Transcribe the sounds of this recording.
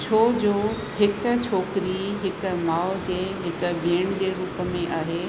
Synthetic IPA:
t͡ɕʰoːd͡ʑoː | ɦɪk̆t͡ɕʰoːkɪɾiɦɪk̆maːʊd͡ʑeːɦɪk̆bʱeːɽ̃d͡ʑeːɾuːpəmẽʔaːɦeː

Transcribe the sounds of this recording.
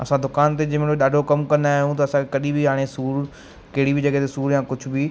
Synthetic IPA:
ɐsãd̪ʊkaːnt̪̬ed͡ʑɐmɪ̃eɗaːɖʱokɐmkɐ̃nd̪aːɦijũt̪̬ɐɐsãkʰekɐɗĩbɪaːɽ̃esuːɾ | kɐɦɪɽibɪd͡ʑɐɠɛɦt̪ʰesuːɾjãːkʊd͡ʑʱʊbi

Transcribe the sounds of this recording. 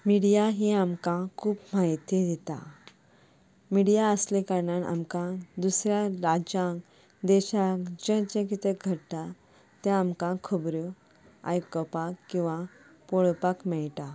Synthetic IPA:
miɽijaɦiamkãkʰuːpmaɦit̪id̪it̪a̰ | miɽijaəslekaɾɳanʔa̰mkãd̪usɾjaɾad͡ʑãk | d̪ɛɕãkd͡ʑə̃t͡ɕẽk̬it̪eɡʱəɽt̪a | t̪jãːmkãkʰubɾu | a̰jkəpakːĩw̃ʋa | poɭpakmɛɭt̪a

